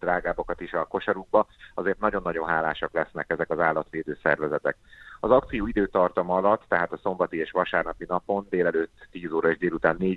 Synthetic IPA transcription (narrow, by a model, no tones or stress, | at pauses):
d̪raːɡaːbokɒt̪iʃɒko̞ʃɒɾuɡ̚bɒɒzeːrt̪nɒɟo̞nːɒɟo̞nɦaːla̰ːʃɒklɛsnɛkɛzɛkɒzaːlːɒt̪ʋeːd̪øːsɛ̰rvɛzɛt̪ɛk̚ɒzɒk̚t̪sijoːid̪øːt̪ɒrt̪ɒmɒlɒt̪ːɛɦaːt̪ɒso̞mbɒt̪ieːʃʋɒʃaːrnɒpinɒpo̞nd̪eːlɛløːt̪ːiːzoːɾɒeːʒd̪eːlut̪aːnːeː